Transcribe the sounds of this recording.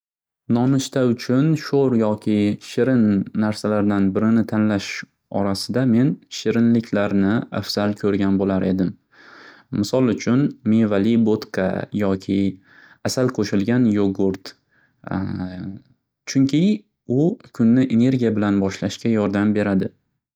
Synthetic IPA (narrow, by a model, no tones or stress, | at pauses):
nɒmɪʃt̪aʊt͡ʃʰʊnʃoɾjɒkʲʰɪʃɪɾɪnːaɾsalaɾd̪anbɪɾɪnɪt̪ʰanlaʃ | ɒ̰ɾasɪd̪ame̞nʃɪɾɪnlɪkʲʰlaɾnɪa̰fsalkʲʰɵɾɡʲanbolaɾʔe̞d̪ɪmː | ɪsɒlˠʊt͡ʃʰʊnmevalibot̪kʰa̰jɒkʲʰɪ | asalqʰoʃɪlɡʲanjoɡʊɾt̪ | t͡ʃʰʊŋkʲʰɪ | ʊkʲʰʊnːɪʔene̞ɾɡʲijabɪlanbɒʃlaʃkʲajɒɾd̪ambe̞ɾad̪ɪ